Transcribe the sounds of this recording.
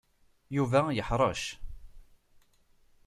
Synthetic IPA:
juvæjəħɾˤɑʃ

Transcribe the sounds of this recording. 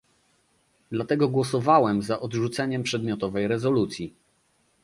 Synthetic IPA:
d̪lat̪ɛɡɔɡwɔsɔvawɛmzaʔɔd̪ʐut̪sɛɲɛmpʂɛd̪mʲjɔt̪ɔvɛjɾɛzɔlut̪sʲji

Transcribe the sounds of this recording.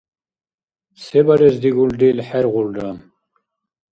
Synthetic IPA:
sɛbaɾɛzd̪iɡuld̪ilħɛɾʁuld̪am

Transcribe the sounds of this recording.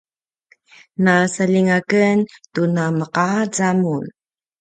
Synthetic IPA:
nasaliŋakəntunaməqad͡zamun

